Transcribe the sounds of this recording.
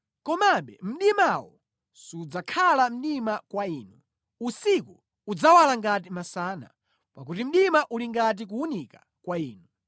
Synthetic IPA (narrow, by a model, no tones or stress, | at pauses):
kɔmaɓɛ̰m̩ɗimawɔ̰ | sud͡zakʰalam̩ɗimakwaiːnu | usiku | ud͡zawalaŋɡat̬imasaːna̰ | pak̬utim̩ɗimaʔuliŋɡat̬ik̬uunika | kwaiːnu